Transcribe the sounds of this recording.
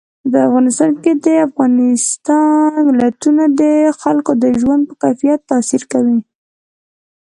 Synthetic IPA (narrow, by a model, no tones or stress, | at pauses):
əpəafɣɑnɪst̪ɑnked̪əafɣɑnɪst̪ɑnmɪlat̪unad̪əxalkod̪əʒwand̪̚pəkajfijat̪ːɑsiɾkawi